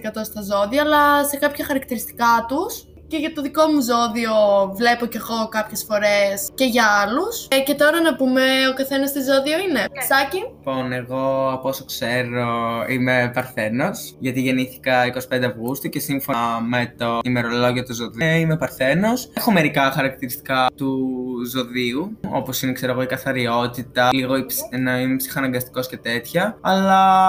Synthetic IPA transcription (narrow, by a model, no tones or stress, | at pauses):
kɐt̪o̞st̪ɐzo̞ðiɐːlɐse̞kɐpçɐxɐɾɐkt̪iɾist̪i̥kɐt̪us | ce̞ʝɐt̪o̞ðiko̞muzo̞ðio̞vle̞po̞ceɐɣo̞kɐpçe̞sfo̞ɾe̞sce̞ʝɐɐlusce̞t̪o̞ɾɐnɐpumeokɐθe̞nɐst̪izo̞ðioine̞sɐciponeɣo̞ɐposokseɾoimepɐɾθe̞no̞sʝɐt̪iʝe̞niθi̥kɐikosi̥pend̪eɐvɣust̪uce̞siɱfome̞t̪onime̞ɾo̞lo̞ʝiot̪uzo̞ðiimepɐɾθe̞no̞sxo̞me̞ɾikɐxɐɾɐk̚t̪iɾist̪i̥kɐt̪uzo̞ðiuo̞̰po̞sinekse̞ɾoɣoikɐθɐɾio̞t̪it̪ɐliɣo̞ipnɐimepsi̥xɐnɐŋɡɐst̪i̥ko̞sce̞t̪e̞t̪çɐɐlɐ